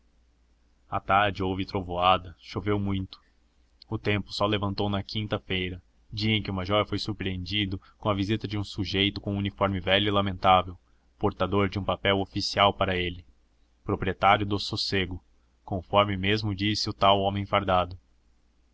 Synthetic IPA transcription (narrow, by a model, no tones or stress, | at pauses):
at̪aɾd͡ʒɪowvɪt̪ɾovoad̪ɐʃovewmũj̃t̪ʊ̥ | ʊt̪ẽmpʊ̥sɔlevɐ̃nt̪ownɐkʰĩnt̪ɐfejɾɐ | d͡ʒiɐẽj̃kʲɪʊmaʒɔɾfojsuɾpɾiẽnd͡ʒid̪ʊ | kõɐvizit̪ɐd͡ʒɪũsuʒejt̪ʊkõunifɔɾmɪvɛlʊilamẽnt̪avew | poɾt̪ad̪oɾd͡ʒɪũpapɛwofisiawpaɾɐelɪ | pɾopɾiet̪aɾjʊd̪ʊsoseɡʊ | kõfɔɾmɪmezmʊd͡ʒisɪʊt̪awõmẽj̃faɾd̪ad̪ʊ